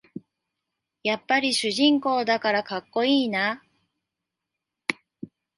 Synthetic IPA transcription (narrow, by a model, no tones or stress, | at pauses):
japːaɾʲiɕɨʑĩŋko̞ːd̪akaɾakakːo̞iːna